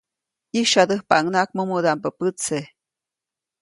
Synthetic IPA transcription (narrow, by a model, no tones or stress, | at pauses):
iʃad̪əhpaŋnak̚mumud̪ampəpət͡se